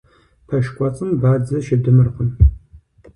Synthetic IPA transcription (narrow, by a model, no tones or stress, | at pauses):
pʰɐʃkʷʼɔt͡sʼɨmbaːd͡zɐʃɪdɨmɨrχʷʊn